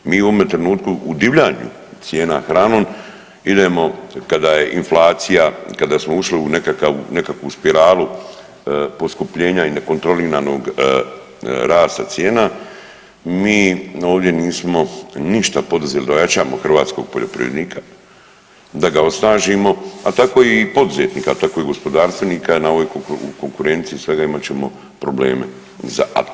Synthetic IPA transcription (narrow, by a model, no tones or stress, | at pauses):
miːuo̞met̪ɾenuːt̪kuʔud̪iʋʎaɲṵ | t̪sje̞ːnaxɾaːnoːn | id̪e̞mo̞kad̪aːje̞ʔinflˠaːt̪sijakad̪aːsmo̞uʃliune̞kakaʋune̞kakʋuspiɾaːlu | po̞skupʎe̞ːɲaine̞ko̞nt̪ɾoliɾano̞ɡ | ɾaːst̪at̪sje̞ːna | miːo̞ːʋd̪je̞niːsmo̞niʃt̪apo̞d̪uzelid̪aojat͡ʃaːmo̞xrʋaːt̪sko̞̰ɡ̥̚po̞ʎo̞pɾḭʋʲeniːkʰḁ | d̪aɡao̞snaːʒimo̞a̰t̪ako̞ːipo̞d̪uzeːt̪niːkat̪ako̞ːiɡo̞spo̞d̪aːɾst̪ʋeniːkanaoʋojkoṵko̞ŋkuɾe̞nt̪siːsʋe̞ɡaimat͡ɕe̞mo̞ | pɾo̞ble̞̰ːme̞̰ | za̰